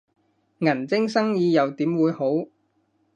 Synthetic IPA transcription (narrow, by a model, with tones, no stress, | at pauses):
ŋɐ˨˩nt͡sɪ˥ŋsɐ˥ŋjiː˨˧jɐ˨wt̪iː˨˥mwuː˨˧jho˨˥w